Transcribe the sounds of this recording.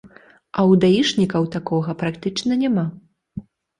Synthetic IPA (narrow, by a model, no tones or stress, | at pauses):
ɐwd̪aiʂnʲikɐwt̪akɔɣɐpɾakt̪ɨt͡ʂnɐnʲama